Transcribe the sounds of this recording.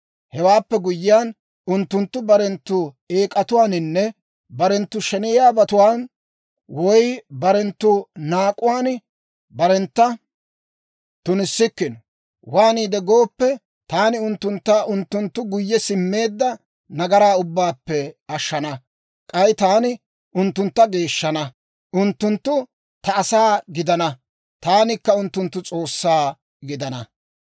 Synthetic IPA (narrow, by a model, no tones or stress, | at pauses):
hɛwaːpːɛɡʊjːɪjaːn | ʊnt̪ːʊnt̪ːʊbɐɾɛnt̪ːʊ | e̞ːkʼɐt̪ʊwaːnɪnːɛ | bɐɾɛnt̪ːʊʃɛnɪjaːbɐt̪ʊwaːn | wɔjbɐɾɛnt̪ːʊnaːkʼʊwaːn | bɐɾɛnt̪ːɐ | t̪ʊnɪsːɪkːɪnɔ | waːniːd̪ɛɡoːpːɛ | t̪aːnɪʊnt̪ːʊnt̪ːaːʊnt̪ːʊnt̪ːʊɡʊjːɛsɪmːe̞ːd̪ːɐ | nɐɡɐɾaːʊbːaːpːɛɐʃːɐnɐ | kʼɐjɪt̪aːnɪ | ʔʊnt̪ːʊnt̪ːɐɡe̞ːʃːɐnɐ | ʊnt̪ːʊnt̪ːʊ | t̪ɐːsaːɡɪd̪ɐnɐ | t̪aːnɪkːɐʊnt̪ːʊnt̪ːʊt͡sʼo̞ːsːaː | ɡɪd̪ɐnɐ